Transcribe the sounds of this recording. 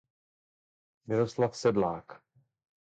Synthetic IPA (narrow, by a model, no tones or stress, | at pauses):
mɪɾoslafsɛdlaːk